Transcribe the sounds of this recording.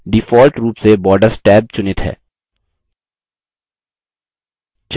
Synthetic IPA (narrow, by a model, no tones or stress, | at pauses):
ɖɪfɔːlʈɾuːpsebɔːɾɖəɾsʈɛːb̚t͡ʃʊnɪt̪ɦɛ̰ː | t͡ʃ